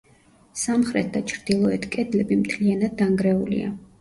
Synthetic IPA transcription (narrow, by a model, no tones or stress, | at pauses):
samχɾɛt̪̚ʰd̪at͡ʃʰɾd̪̥ilˠɔɛt̪ʰkʼɛd̪lɛbimt̪ʰlianad̪ːaŋɡɾɛulḭa̰